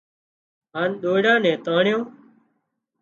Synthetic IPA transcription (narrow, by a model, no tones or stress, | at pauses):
ɦaːnɗ̪oːɽãːnɛ̃ːt̪aːɳjõː